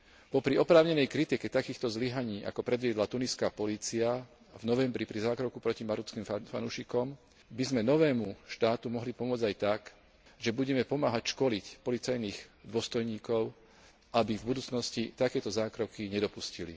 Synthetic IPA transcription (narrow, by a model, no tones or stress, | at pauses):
pɔpɾiɔpɾaːʊɲɛnɛjkɾit̪ikɛt̪akiːxt̪ɔzliɦaɲiːʔa̰kɔpɾɛd̪ʋɪɛd̪lat̪uniskapɔliːt͡sia | vnɔʋɛmbɾipɾizaːkɾɔkupɾɔcimaɾut͡skimfa̰nuʃikɔm | bizmɛnɔʋɛːmuʃt̪aːt̪umɔɦlipɔmʊɔd͡zajt̪ak | ʒɛbuɟɛmɛpɔmaːɦacʃkɔlicpɔlit͡sajniːɣd̪ʊɔst̪ɔjɲiːkɔʊ | ʔabivbud̪uːt͡snɔscit̪akɛːt̪ɔzaːkɾɔkiɲɛd̪ɔpuscilḭ